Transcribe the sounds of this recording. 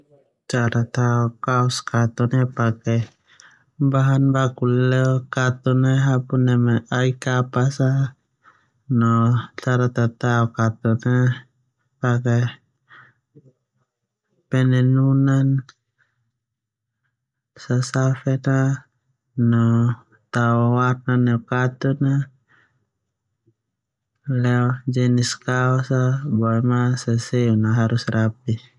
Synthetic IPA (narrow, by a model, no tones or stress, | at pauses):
t͡ʃaɾat̪aɔkaɔskat̪ɔnɛpakɛ | baɦanbakulɛɔkat̪ɔnɛɦapunɛmaʔaikapasa | nɔt͡ʃaɾat̪at̪aɔkat̪ɔnɛ | paka | pɛnɛnunan | sasafɛnaː | ɔ | t̪aɔwarnanɛɔkat̪una | lɛd͡ʒɛniskaɔsabɔɛmasasɛunaɦaɾusrapi